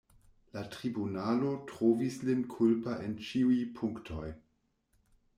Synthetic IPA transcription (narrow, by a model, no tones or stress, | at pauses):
latʁibunalo̞tʁovislinkʰulpaʔent͡ʃiujpʰuŋktʰo̞j